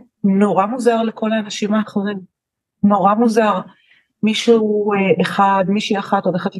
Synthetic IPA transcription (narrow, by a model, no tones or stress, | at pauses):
no̞ʁamuzaʁlekʰo̞laːnaʃimaːχoʁim | no̞ʁamuzaʁ | miʃueeχadmiʃiaχatoleχat̪